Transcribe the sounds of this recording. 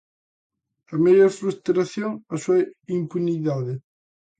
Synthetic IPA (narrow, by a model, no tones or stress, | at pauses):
ɐmeʎoɾfɾust̪ɾaθjoŋasuɐimpuniðaðɪ